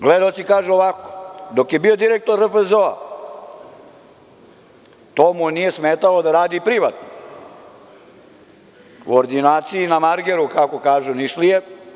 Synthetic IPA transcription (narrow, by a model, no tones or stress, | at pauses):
ɡled̪aot̪sikaːʒuoʋako̥d̪o̞kje̞bio̞d̪iɾek̚t̪o̞ɾəfezoa̰ | t̪omunije̞smeːt̪alo̞d̪aɾaːd̪ipɾiʋat̪no | kooɾd̪inaːt̪siinamaɾɡeɾukako̞kaːʒuniʃlije